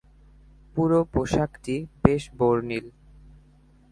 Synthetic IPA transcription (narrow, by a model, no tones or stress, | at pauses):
puɾopoʃakʈibeʃboɾnil